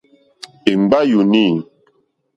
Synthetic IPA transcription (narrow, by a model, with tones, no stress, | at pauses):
e˨m˦ba˦ju˨ni˦˨n